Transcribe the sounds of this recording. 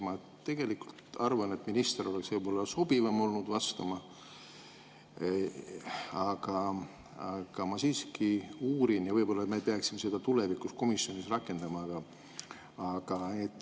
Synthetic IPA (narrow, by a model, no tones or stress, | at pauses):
mɑ | t̪e̞ɡ̥e̞likult̪ɑrvɑne̞t̪ːminist̪eɾo̞le̞ksvɤjbo̞lːɑso̞b̥ivɑmo̞lnud̪̥vɑst̪ɑmɑ | ɑɡ̥ɑ | ɑɡ̥ɑmɑsiːskiuːɾinjɑvɤjbo̞lːɑmepeɑksimːese̞d̪̥ɑt̪ulevikusko̞misjo̞nisrɑkːˑe̞nd̪̥ɑmɑɡ̥ɑː | ɡ̥ɑet̪ːˑ